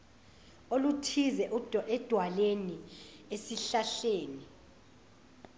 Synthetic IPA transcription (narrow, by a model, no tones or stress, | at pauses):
olutʰizɛʔɛd̥ʱwaleniesiɬaɬeːni